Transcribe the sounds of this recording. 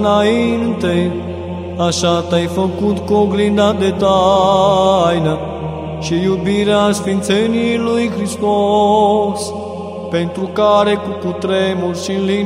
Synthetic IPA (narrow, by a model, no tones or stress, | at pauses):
nainɨnt̪ej | aʃat̪ajfəkut̪koɡlind̪ad̪et̪a | jna | ʃijubiɾeasfint̪senilujxɾist̪o | s | pent̪ɾukaɾekuput̪ɾemuɾʲʃinli